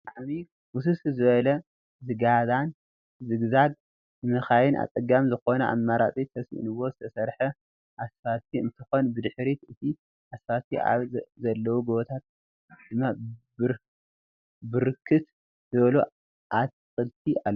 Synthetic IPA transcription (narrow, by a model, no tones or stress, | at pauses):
aʕmi | wʊs̬uszɨβɐlɐ | zɨɡad̪an | zɨɡzaɡ̚ | ɨmɐxajɪnʔa̰t͡sʼɐɡamzɨxo̞nɐa̰mːaɾat͡sʼit̪ʰɐsḭnɨwːo̞zɨt̪ʰɐsɐɾħɐ | ʔasfasiɨ̰nt̪ʰɨxo̞nbɨd̪ɨħɾit̪ɨt̪ʰi | ʔasfasia̰βzɐlːɐwuɡoβot̪ʰat̪̚ | d̪̥ɨmːab | bɨɾɨkʰːɨt̪ | zɨβɐlo | ʔat̪ | xʼɨlt̪ʰiʔalː